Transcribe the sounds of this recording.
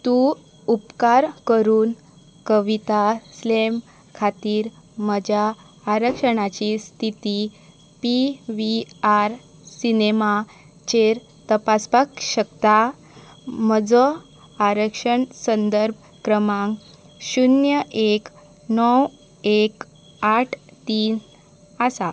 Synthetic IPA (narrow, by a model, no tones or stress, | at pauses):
t̪u | upkaɾkəɾuːn | kəʋit̪aslem | kʰat̪iːɾ | məd͡ʑʱjaː | ɾəkʂəɽ̃at͡ɕist̪ʰit̪i | piʋiaɾ | sinema | t͡ɕeɾ | t̪əpaspakɕəkt̪a | məd͡zɔ | aɾəkʂəɳsənd̪əɾb̚ʱ | kɾəmãŋ | ɕunjəʔek | nɔw | ek | aʈʰt̪iːn | asa